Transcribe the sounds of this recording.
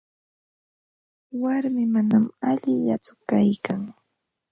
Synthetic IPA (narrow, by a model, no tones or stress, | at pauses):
waɾmɪmanamaʎɪʎat͡sʊkajkaŋ